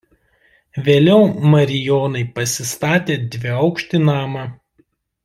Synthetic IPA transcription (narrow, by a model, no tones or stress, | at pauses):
ʋʲeːlʲɛʊmɐɾʲɪjɔːnɐɪpɐsʲɪst̪ɑːt̪ʲeːd̪ʲʋʲɪɐʊkʃʲt̪ʲɪnɑːmɐ